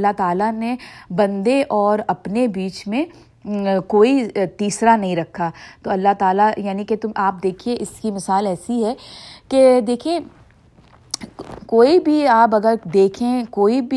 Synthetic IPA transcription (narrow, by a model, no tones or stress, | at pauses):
lːaɦt̪aːlanebɐ̃nd̪eʔɔːɾɐpnebiːt͡ʃmẽ | koːit̪iːsɾanɐɦĩɾɐkʰːaːt̪oːɐlːaɦt̪aːlajaːniket̪ʊmaːp̚d̪eːkʰieʔɪskimɪsaːlɛːsiɦɛked̪eːkʰiẽ | koːibʱiaːpɐɡəɾd̪eːkʰẽkoːibʱi